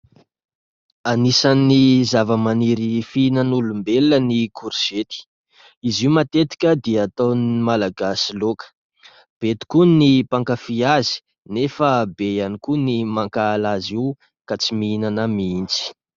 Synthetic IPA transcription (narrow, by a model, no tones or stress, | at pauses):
anisanizavəmaniɾifinanulumbelənikʰuɾset̪i̥ | iziumat̪et̪i̥kʲəd̪iaːt̪animalaɡasilokə̥ | b̥et̪i̥kunipaŋkafiazi̥ | nefəbejanikunimaŋkaːlaziw | kat͡simiinanamiint͡si̥